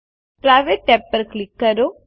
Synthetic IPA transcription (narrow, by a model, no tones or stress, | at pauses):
pɾaʋeʈːɛpːəɾklikːəɾo